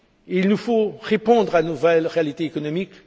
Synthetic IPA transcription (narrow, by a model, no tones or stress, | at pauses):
ilnufoʁepɔ̃d̪ʁanuvɛlʁealit̪eːkɔnɔmik